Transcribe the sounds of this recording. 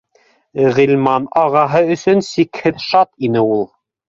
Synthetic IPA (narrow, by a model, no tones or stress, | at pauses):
ʁĭlʲmɑnɑʁɑɦɤɵ̆sɵnsikhɘðʃɑt̪inɘulˠ